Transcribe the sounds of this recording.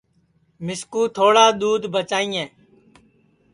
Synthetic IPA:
mɪskuːt̪ʰoːɽaːɗ̪uːd̪ʱbʱət͡ʃaːĩːɛ̃ː

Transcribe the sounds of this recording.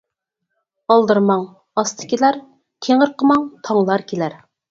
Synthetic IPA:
ɑlˠd̪ɨɾmɑŋ | ɑst̪ʰə̥kʲilæɾ | t̪ʰeŋəɾqʰəmɑŋt̪ʰɑŋlˠɑɾkʲʰelæɾ

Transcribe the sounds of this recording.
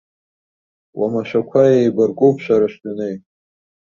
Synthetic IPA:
wamaʃʷᶣakʷʰajejbarkʼupʰʃʷᶣaɾaʃtʼanej

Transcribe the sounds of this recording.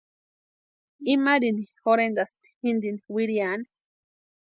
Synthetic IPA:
imaɾinixoɾend̪ast̪i̥ind̪iniwiɾjani

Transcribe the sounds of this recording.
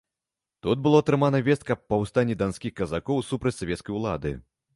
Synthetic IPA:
t̪ud̪̚bɨlˠɔt̪ɾɨmanɐvʲɛst̪kɐppɐwst̪anʲːid̪ansʲkʲixkɐzakɔwsupɾɐt͡sʲsavʲɛt̪skɐjulˠa̰d̪ɨ̰

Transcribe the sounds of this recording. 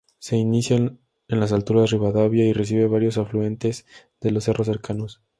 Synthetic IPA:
se̞inisja | enlas̬alt̪uɾariβaðaβjaire̞s̬iβe̞βaɾjo̞s̬aflue̞nt̪e̞z | ð̥e̞lo̞se̞ro̞s̬ːe̞ɾkʰano̞s

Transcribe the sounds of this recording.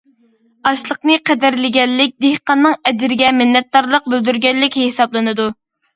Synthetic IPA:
ɑʃlˠəqnɨqʰɛd̪æɾlɪɡʲɛllːɪk̚ʲd̪ehqɑnːɨŋɛd̪ɪɾɪɡʲɛmɪnːɛt̪̚d̪ɑɾlˠəq̚bøld̪yɾɡʲɛlːɪkʲɦesɑblˠɨnɨd̪u

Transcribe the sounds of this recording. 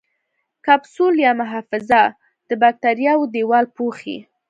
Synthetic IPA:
kabsuljɑmʊɦɑfɪza | d̪̥əbak̚t̪aɾjɑwd̪ewɑlpoxḭ

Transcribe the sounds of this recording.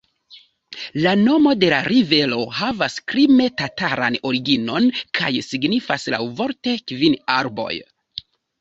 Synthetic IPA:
lano̞mo̞de̞laɾive̞lo̞havaskɾime̞tataɾa̰no̞ɾiɡino̞nkʰa̰jsiɡnifasla̰wvo̞ɾte̞kvinaɾbo̞̰j

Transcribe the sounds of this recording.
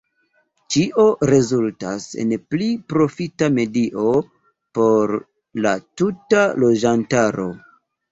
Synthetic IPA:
t͡ʃiʔo̞ɾe̞zulta̰sḛnplipɾo̞fitame̞diʔo̞ | po̞ɾ | latutalo̞d͡ʒantaɾo̞̰

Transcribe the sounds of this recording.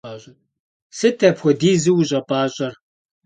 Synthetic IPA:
aːɕʼɐ | sɨtʰɐpxʷɔdiːzɨwuɕʼɐpʼaːɕʼɐr

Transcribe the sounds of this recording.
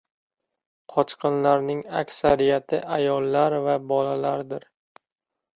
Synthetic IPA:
qʰɒt͡ʃqʰɨnlaɾnɪŋakʲsaɾijat̪ʰɪʔajɒlˠːaɾvabɒlalaɾd̪ɪɾ

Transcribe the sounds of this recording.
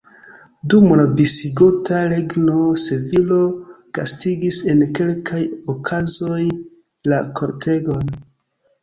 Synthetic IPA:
dumonabisiɡotaɾeɡno̞sevilo̞ | ɡ̥a̰stiɡise̞nke̞lkʰajokʰazo̞j | lakʰo̞ɾtʰe̞ɡon

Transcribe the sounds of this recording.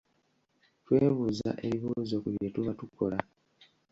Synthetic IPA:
twe̞ːβuza̰ʔe̞βiβuːzo̞kuβjjetuβatukʰːo̞la

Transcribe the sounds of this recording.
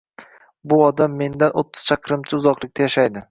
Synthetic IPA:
bʊɒd̪amːe̞nd̪anot̪ʰːʊ̥z̥t͡ʃʰaqʰɾɪmt͡ʃʰɪʊzɒqlˠɪkʲt̪ʰajaʃajd̪ɪ

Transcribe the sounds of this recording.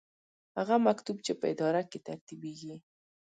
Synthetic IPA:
haɣamakt̪ubt͡ʃepəɪd̪ɑɾaket̪aɾt̪ibeɡi

